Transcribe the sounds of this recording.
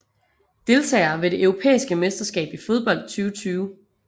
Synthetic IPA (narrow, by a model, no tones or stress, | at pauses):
d̥e̝lt͡sʰɛ̰ːɐʋe̝d̥e̝ʔøʊʁo̝pʰḛːisɡ̥əmesd̥ɐsɡ̥ɛ̰ːb̥ifo̝ð̞ˠb̥ɒ̽l̰d̥̚t͡sʰyːʊət͡sʰyːʊ